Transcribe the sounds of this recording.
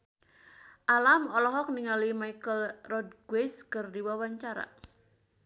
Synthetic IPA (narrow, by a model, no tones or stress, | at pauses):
ʔalamɔlɔɦɔk̚niŋalimaikəlrɔd̚ɡwɛskərdiwawaɲt͡ʃaɾa̰